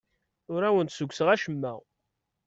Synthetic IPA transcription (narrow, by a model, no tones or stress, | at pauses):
ʊɾæwənt̪səɡʷsəʁæʃəmːæʁ